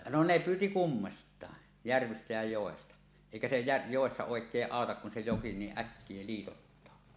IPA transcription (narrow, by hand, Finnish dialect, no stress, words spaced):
no ne pyːti kumːɑstˑɑˑe jærʋistæ jæ joˑestɑ eˑikæ se jær joˑesːɑ oˑekˑeː ʔɑˑotɑk kun se joki niːʔ ʔækːie liːtotːɑː